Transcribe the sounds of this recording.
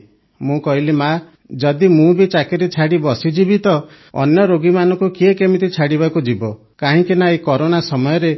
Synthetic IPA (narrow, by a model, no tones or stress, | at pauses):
mũkɔɦilima | d͡ʒɔd̪imũbit͡ʃakeɾet͡ʃʰaɽibɔsid͡ʒibit̪ɔ | ɔ̰njɔɾoɡimanɔ̃ŋkukiekemit̪it͡ʃʰaɽiβakud͡ʒibɔ | kaɦĩkinaekɔɾonasɔmɔjɔɾe